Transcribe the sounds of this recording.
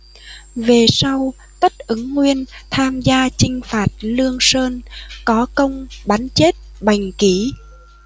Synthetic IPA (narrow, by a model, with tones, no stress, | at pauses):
ve˨˩sa˧w | t̪ə˦˥t̚ʔɨ˨˦ŋːwi˧ənt̪ʰaː˧mzaː˧t͡ɕï˧ŋ̟faː˨˩t̚lɨ˧əŋsəː˧nkɔ˨˦kə˧wŋ͡mɓa˨˦nt͡ɕe˦˥t̚ɓa˨˩jŋ̟ki˧˩˦